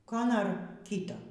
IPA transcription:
ˈkoː ˈnoːr ˈkʲiːtoː

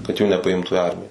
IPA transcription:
kɐt ˈjuː nʲɛpɐˈɪmtʊ ɪ ˈɐrʲmʲɪjɛ

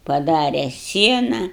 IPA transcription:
pɐˈdɑːrʲɛ ˈsʲiɛnɐ

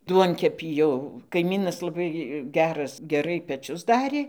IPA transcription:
ˈduɔŋʲkʲɛpʲiː jɛʊ kɐɪˈmʲiːnɐs lˠɐˈbɐɪ ˈɡʲæːrɐs ɡʲɛˈrɐɪ pʲɛˈt͡ʃʲʊs ˈdɑːrʲeː

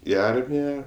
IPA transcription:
ɪ ˈɐrʲmʲɪjɛ

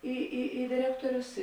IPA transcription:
iː iː iː dʲɪˈrʲæːktoːrʲʊs

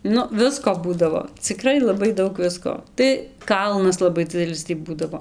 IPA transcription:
ˈnʊ ˈʋʲɪskoː ˈbuːdɐʋoː t͡sʲɪˈkrɐɪ lˠɐˈbɐɪ ˈdɐʊk ˈʋʲɪskoː tɐɪ ˈkɐlˠnɐs lˠɐˈbɐɪ ˈd͡zʲɪdʲɛlʲɪs tʲiː ˈbuːdɐʋoː

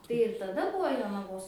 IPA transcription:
tɐɪ ɪr tɐˈdɐ ˈbʊʋoː joːnɐˈʋoːs

